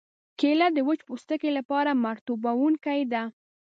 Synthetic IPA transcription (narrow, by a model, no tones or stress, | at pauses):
kelad̪əwət͡ʃpust̪əkelapɑɾamaɾt̪ubawuŋkajd̪a